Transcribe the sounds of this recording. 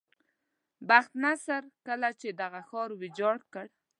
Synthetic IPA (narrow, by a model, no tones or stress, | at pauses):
baxt̪nasaɾkəlat͡ʃed̪aɣaxɔɾwɪd͡ʒɑɽkəɽ